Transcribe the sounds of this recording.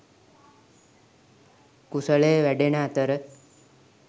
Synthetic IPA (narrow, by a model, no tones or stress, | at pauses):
kusəɭejəʋæɖenaːt̪əɾə